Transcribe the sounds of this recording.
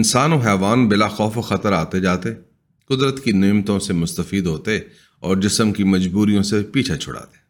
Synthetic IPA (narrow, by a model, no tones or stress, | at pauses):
ɪnsaːnoɦɛːʋaːnbɪlaxɔːfoxɐt̪əɾaːt̪ed͡ʒaːt̪e | kʊd̪ɾət̪kinɪːmt̪õsemʊst̪əfiːd̪ɦoːt̪e | ɔːɾd͡ʒɪsəmkimɐd͡ʒbuːɾijõsepiːt͡ʃʰet͡ʃʰʊ̰ɽa̰ːt̪e̥